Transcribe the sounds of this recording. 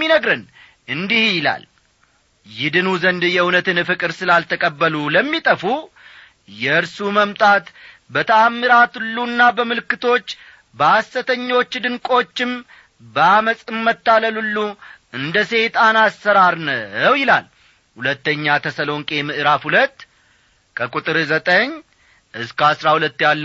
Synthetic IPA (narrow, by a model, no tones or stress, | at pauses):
inəɡɾɨn | ʔɨnd̪ihjɪla̰l | jɪd̪ɨnuzənd̪ɨjɛɨwnət̪ɨnɨfɨkʼɨɾsɨlalt̪ʰəkʼəbːəluləmːit̪ʼəfu | jɛɨɾsuməmt̪ʼat̪bət̪ʰəamːɨɾat̪ɨlːuɨnːabəmɨlɨkːɨt̪ʰo̞t͡ʃː | bəasːət̪ʰəɲːo̞t͡ʃːd̪ɨŋkʼo̞t͡ʃːɪm | bəaməsʼɨmːət̪ːaləlulːu | ɨnd̪əse̞t̪ʼanasːəɾaɾnəwjɪlal | hulət̪ːəɲːat̪ʰəsəlo̞ŋkʼe̞mɨʔɨɾafhulət̪ː | kʰəkʼut̪ʼɨɾzət̪ʼəɲ | ʔɨskəasɾahulət̪ːjalːə